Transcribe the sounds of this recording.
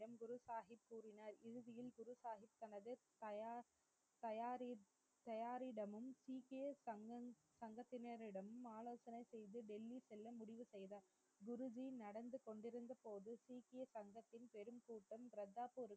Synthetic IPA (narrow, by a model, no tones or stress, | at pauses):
ɐmɡʊɾɯsaːɦɪpːuːɾɪnaːɾɪɻɯðɪjɪlɡʊɾɯsaːɦɪp̚t̪ːɐnɐðɯt̪ɐ | t̪ɐjaːɾ | t̪ɐjaːɾɪɽɐmɯmsiːkesɐŋɐ | sɐŋɡɐt̪ːɪnɐɾɪɽɐmɯmaːloːsɐnɐɪsɛjðɯɖɛlːisɛlːɐmʊɽɪʋɯsɛjðɐ | ɡʊɾɯd͡ʒinɐɽɐnd̪ɯkɔɳɖɪɾɯnd̪ɐpoːðɯsiːkɪesɐŋɡɐt̪ːɪnpɛɾɯmkuːʈːɐmɾɐd̪ːaːpoːɾɯ